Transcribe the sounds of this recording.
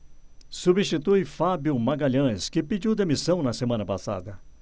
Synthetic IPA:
subist͡ʃit̪ujfabjʊmaɡaʎɐ̃skɪpid͡ʒiwd̪emisɐ̃w̃nɐsemɐ̃nɐpasa̰d̪ɐ

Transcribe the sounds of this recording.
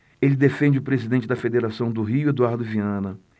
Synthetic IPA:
elɪd̪efẽnd͡ʒɪʊpɾezid̪ẽnt͡ʃɪd̪ɐfed̪eɾasɐ̃w̃d̪ʊɦiʊed̪uaɾd̪ʊviɐ̃nɐ

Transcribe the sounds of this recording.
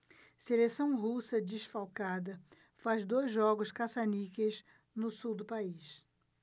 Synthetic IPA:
selesɐ̃w̃ɦusɐd͡ʒiʃfawkad̪ɐ | fazd̪ojzʒɔɡʊʃkasanikez | nʊsuwd̪ʊpaiʃ

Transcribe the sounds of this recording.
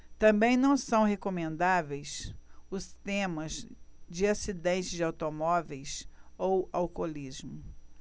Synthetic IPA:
t̪ɐ̃mbẽj̃nɐ̃w̃sɐ̃w̃ɦekomẽnd̪avejsʊst̪ẽmɐzd͡ʒɪasid̪ẽnt͡ʃɪzd͡ʒɪawt̪omɔvejsowawkolizmʊ

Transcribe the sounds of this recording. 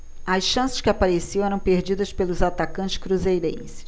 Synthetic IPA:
ɐsʃɐ̃sɪ̥skɪapaɾesiɐ̃w̃ɛɾɐ̃w̃peɾd͡ʒid̪ɐspelʊzat̪akɐ̃nt͡ʃɪ̥skɾuzejɾḛ̃jsɪ̥

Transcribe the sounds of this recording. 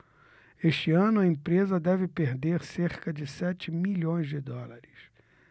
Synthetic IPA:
eʃt͡ʃɪɐ̃nʊɐẽpɾezɐd̪ɛvɪpeɾd̪eɾseɾkɐd͡ʒɪsɛt͡ʃɪmiʎõj̃zd͡ʒɪd̪ɔlaɾɪs

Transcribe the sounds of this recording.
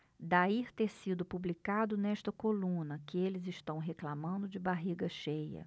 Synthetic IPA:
d̪aiɾt̪eɾsid̪ʊpublikad̪ʊnɛʃt̪ɐkolũnɐkɪelɪzɪʃt̪ɐ̃w̃ɦeklamɐ̃nd̪ʊd͡ʒɪbaɦiɡɐʃejɐ̰

